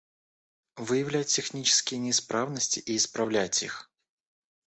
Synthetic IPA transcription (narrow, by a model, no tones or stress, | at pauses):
vɨjɪvlʲæt̚ʲːɪxnʲit͡ɕɪ̥skʲɪjənʲɪɪspɾavnəsʲtʲɪʔiːspɾɐvlʲætʲix